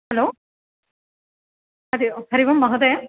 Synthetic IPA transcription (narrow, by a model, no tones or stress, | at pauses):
hɐloː | ɐd̪ikʰɐɾiʋɐmːɐɦɐd̪e